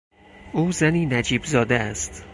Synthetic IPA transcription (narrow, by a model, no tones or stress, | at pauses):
ʔuːzæniːnæd͡ʒiːbzɒːd̪eæst̪